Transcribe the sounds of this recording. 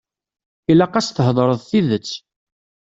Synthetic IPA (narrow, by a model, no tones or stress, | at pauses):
ilæqɑsθəɦðˤɾˤəðˤθiðət͡sː